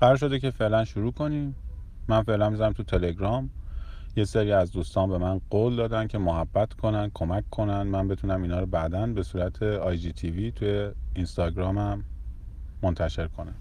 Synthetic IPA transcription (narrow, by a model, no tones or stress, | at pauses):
bæɾʃo̞d̪ece̞fe̞ʔlænʃuɾuːkʰo̞niːmː | ænfe̞ʔlænmizænæmt̪ʰut̪ʰe̞le̞ɡɾɒːmje̞seɾiːæzd̪uːst̪ɒːnbe̞mænɢoːld̪ɒːd̪ænd̪̚cʰe̞moɦæbːæt̪ʰkʰo̞nænd̥̪̚kʰo̞mæcʰːo̞nænd̪mænbe̞t̪ʰunæmiːnɒːɾɔbæd̪ænbe̞suːɾæt̪ʰe̞ɒːjd͡ʒiːt̪ʰivit̪ʰujeinst̪ɒːɡɾɒːmæmː | ont̪ʰæʃe̞ɾkʰo̞næm